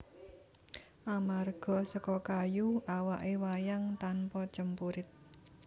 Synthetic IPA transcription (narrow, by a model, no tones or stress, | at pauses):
ʔamarɡ̥ɔ̤sɔkɔkajuawaʔewajaŋt̪anpɔt͡ʃəmpuɾɪt̪̚